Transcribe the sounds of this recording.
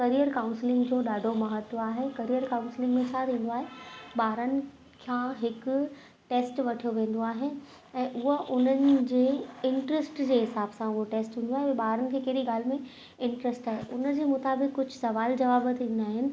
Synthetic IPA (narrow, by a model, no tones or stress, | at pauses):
kɐɾijəɾkãːʊ̃nsɪlɪ̃ŋɡd͡ʑoːɗaːɖʱomɐɦət̪ːoaːɦekɐɾijəɾkãʊ̃nsɪlɪ̃ŋɡmẽt͡ɕʰaɾĩːn̆d̪oaːɦeɓaːɾənɪ̆ | kʰãɦɪk | ʈeːsʈʋɐʈʰijoʋẽːn̆d̪oaːɦe | ɛ̃ːʔʊɦəʔʊn̤ənɪ̆d͡ʑeːɪ̃ɳʈɾəsʈd͡ʑeːɦɪsaːbsãʊɦoʈeːsʈɦũːn̆d̪oaːɦeʋɛ̃ɓaːɦɾənɪ̆kʰeːkɐɦɾiɡaːl̤mẽ | ɪ̃ɳʈɾəsʈaːɦeʔʊnəd͡ʑeːmʊt̪aːbɪkːʊd͡ʑʱʊsɐʋaːld͡ʑɐʋaːbət̪ʰĩn̆d̪aːɦɪnɪ̆